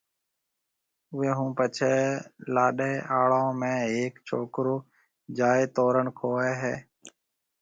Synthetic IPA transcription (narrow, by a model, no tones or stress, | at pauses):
ʊɦeːɦũːpət͡ʃʰeːlaːɗeːʔaːɭaõːmẽːɦeːkt͡ʃʰoːkɾoː | d͡ʒaːt̪oːɾəɳkʰoːeːɦeː